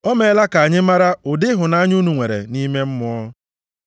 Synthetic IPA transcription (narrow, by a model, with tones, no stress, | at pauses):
ɔ˦me˨˦la˦ka˨ɲɪ˦ma˦ɾa˦ʊ˨dɪ˦ɦʊ˨na˦ɲu˦nu˨ŋʷe˨ɾḛ˨ni˦me˦m̩˦mʊ˦ɔ˦